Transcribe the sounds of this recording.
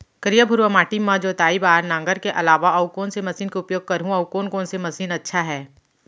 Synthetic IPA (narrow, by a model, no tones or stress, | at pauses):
kəɾijabʱʊɾwəmaːʈimãd͡ʒoːt̪aːibaːɾnãːŋɡəɾkeʔɐlaːʋaɐʊkoːnsemɐsiːnkeʊpjoːɡ̚kɐɾɦũɐʊkoːnkoːnsemɐsiːnɐtːʃʰaɦɛː